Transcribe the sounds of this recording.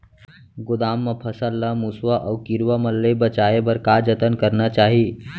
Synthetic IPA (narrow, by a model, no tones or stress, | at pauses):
ɡʊd̪aːmːəpʰəsəlːəmuswaʔɔkiɾʋaməlːebət͡ʃaːebəɾkad͡ʒət̪ənkəɾnat͡ʃaːɦi